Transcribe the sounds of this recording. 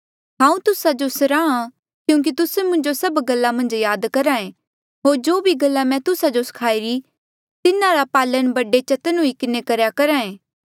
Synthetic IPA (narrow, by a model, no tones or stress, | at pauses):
ɦãːũt̪ʊsad͡ʒosɐɾaːã | kjũːk̬it̪ʊsemʊ̃nd͡ʒosɐbɡɐlːamɐ̃nd͡ʒjaːd̪kɐɾãẽ | ɦoːɾd͡ʒoːbʱiɡɐlːamɛ̃t̪ʊsad͡ʒosɐ̥kʰaːiɾi | t̪ɪnãɾapaːlənbɐɖet͡ʃɐt̪ənũikɪnekɐɾjakɐɾaẽː